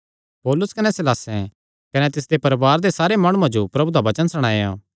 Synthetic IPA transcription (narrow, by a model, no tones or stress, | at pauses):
pɔːlʊskɐnɛsɪlaːsɛ̃ | kɐnɛt̪ɪsd̪epɐɾʋaːɾd̪esaːɾemɐɽ̃uãd͡ʒopɾɐbud̪aʋɐt͡ʃənsɐɽ̃ãːã̰